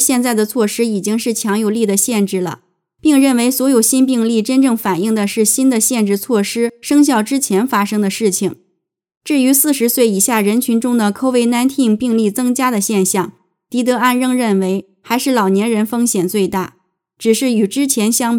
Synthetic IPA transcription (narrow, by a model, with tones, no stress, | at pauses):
ɕjɛ˥˧nt͡sa˥˩ɪd̪ə˩t͡sʰwɔ˥˩ʂɻ̩˥i˨˩t͡ɕi˥ŋʂɻ̩˥˩t͡ɕʰjɑ˧˥ŋjo˧˩ʊli˥˩d̪ə˩ɕjɛ˥˧nʈ͡ʂɻ̩˥˩lə̰˩ | pi˥˧ŋɻə˥˩nwe˧˥ɪswɔ˧˥jo˨˩ʊɕi˥npi˥˧ŋli˥˩ʈ͡ʂə˥nʈ͡ʂɤ˥˩ŋfa˨˩ni˥˩ŋd̪ə˩ʂɻ̩˥˩ɕi˥nd̪ə˨ɕjɛ˥˧nʈ͡ʂɻ̩˥˧t͡sʰwɔ˥˩ʂɻ̩˥ʂɤ˥ŋɕ̬jɑ˥˩ʊʈ͡ʂɻ̩˥t͡ɕʰjɛ˧˥nfa˥ʂɤ˥ŋd̪ə˨ʂɻ̩˥˩t͡ɕʰi˩ŋ | ʈ͡ʂɻ̩˥˩y˧˥sɹ̩˥˩ʂɻ̩˧˥swe˥˩ɪi˨˩ɕja˥˩ɻə˧˥nt͡ɕʰy˧˥nʈ͡ʂʊ˥ŋd̪ə˨kʰo˥ʊwe˧˥ɪna˥nt̪ʰi˥˧ŋpi˥˧ŋli˥˩t͡sɤ˥ŋt͡ɕja˥d̪ə˨ɕjɛ˥˧nɕjɑ˥˩ŋ | t̪i˧˥t̪ɤ˧˥a˥˧nɻɤ˥˧ŋɻə˥˩nwe˧˥ɪ | xa˧˥ɪʂɻ̩˥˩lɑ˨˩ʊnjɛ˧˥nɻə˧˥nfɤ˥ŋɕjɛ˨˩nt͡swe˥˧ɪt̪a̰˥˩ | ʈ͡ʂɻ̩˨˩ʂɻ̩˥˩y˨˩ʈ͡ʂɻ̩˥t͡ɕʰjɛ˧˥nɕjɑ˥ŋ